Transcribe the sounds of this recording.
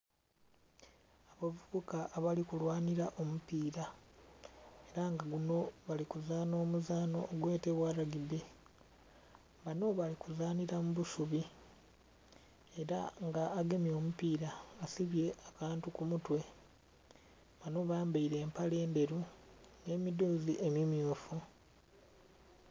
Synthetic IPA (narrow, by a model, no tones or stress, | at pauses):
aβavuβukaʔːβalikulwaːniɾaʔo̞mupiːɾa | e̞ɾaŋɡaɡuno̞βalikuzaːno̞ːmuzaːno̞ːɡwe̞ːte̞βwaːɾaɡiβe | βano̞βalikuzaːniɾamuβusuβi | eɾa̰ŋɡaːɡe̞mjo̞ːmupiːɾaːsiβje̞ʔakaːntukumutwe̞ | βano̞βaːmbaiɾe̞ːmpale̞ːnde̞ɾune̞ːmidoːziʔemimjuːfu